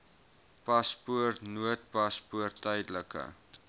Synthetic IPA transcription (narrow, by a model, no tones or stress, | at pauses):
pɐspuərtnuət̚pɐspuərtːœjdələkə̰